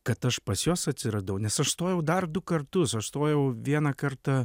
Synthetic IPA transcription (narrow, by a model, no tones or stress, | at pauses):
kɐt̪ɐʃpɐsjoːsɐt̪ʲsʲɪɾɐd̪ɐʊnʲɛsɐʃst̪oːjɛʊd̪ɐrd̪ʊkɐrt̪ʊsɐʃst̪oːjɛʊʋʲiɛnɐkɐrt̪ɐ